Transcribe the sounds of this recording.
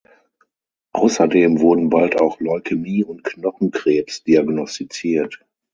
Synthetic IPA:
ʔa̰ʊsɐdeːmvʊɐdn̩baltaʊxlɔlkʰəmiːʊnt̚knɔχn̩kʁ̥eːpsd̥iaɡnɔstit͡siːɐt

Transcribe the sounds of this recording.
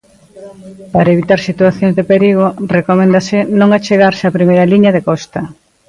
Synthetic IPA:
paɾaeβit̪aɾsit̪uaθjõŋzðepeɾiɣ̞orekomẽnd̪ɐsɪnõŋat͡ʃeɣaɾseapɾimejɾɐliɲɐðekɔst̪ɐ

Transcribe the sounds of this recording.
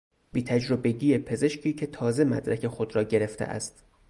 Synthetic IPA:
b̥iːt̪ʰæd͡ʒɾobe̞ɡiːjepʰe̞ze̞ʃcʰiːcʰe̞t̪ʰɒːze̞mæ̰d̪ɾækʰe̞xo̞d̪ɾɒːɟe̞ɾe̞ft̪ʰḛʔæ̰st̪

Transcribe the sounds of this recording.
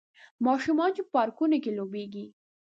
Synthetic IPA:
mɑʃumɑnt͡ʃeppɑɾkunokelobeɡi

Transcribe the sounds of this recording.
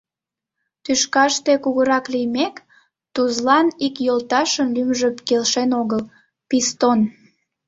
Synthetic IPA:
t̪yʃkɑʃt̪ekuɣəɾɑklijmek | t̪uzlɑnikjolt̪ɑʃənlymʒəkelʃenoɣəl | pist̪on

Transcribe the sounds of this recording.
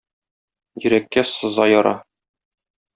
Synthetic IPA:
jɵ̆ɾækːæsɤ̆zɑjɒɾɑ

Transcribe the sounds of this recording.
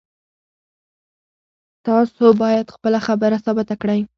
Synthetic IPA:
t̪ʰɑsobɑjad̪χpəlaχabaɾasɑbat̪ʰakɽajŋ

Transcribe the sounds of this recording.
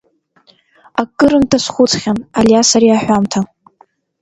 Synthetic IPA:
akʼːɨɾɨntʰasʷχʷʊt͡sχʲanaljasaɾiaħʷᶣamtʰa

